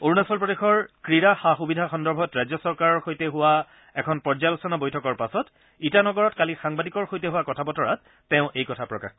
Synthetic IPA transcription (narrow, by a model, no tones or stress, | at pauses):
oɹunasɔlpɹɔdexɔɹkɹiɹaxaxubidʱaxɔndɔɹbʱɔtɹajzɔsɔɹkaɹɔɹxojtɛɦʊwa | ɛkʰɔnpɔɹzalɔsɔnabojtʰɔkɔɹpasɔt | itanɔɡɔɹɔtkalixaŋbadikɔɹxojtɛɦʊwakɔtʰabɔtɔɹat̚ːɛʊ̃ʔejkɔtʰapɹɔka̰x